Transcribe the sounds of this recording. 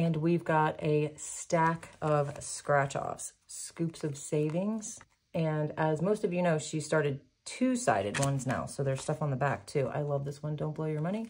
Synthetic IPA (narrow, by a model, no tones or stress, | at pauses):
ɨ̃nwivɡɑɾɨstækʰʌv̥skɹæt͡ʃɔ̰fs | skʉpsʌv̥seɪvɪ̃ŋz̥ | ɨ̃nɨzmoʊstʌvjɨnoʊʃistɑɹɾɨd̚ | tʰʉsa̰ɪɾɨ̰d̚wʌ̃nzna̰ʊsoʊðə˞z̥stʌfn̩ðəbæk̚tʰʉʔa̰ɪlʌvðɪswʌ̃ndõʊ̃nbloʊjə˞mʌɾ̃i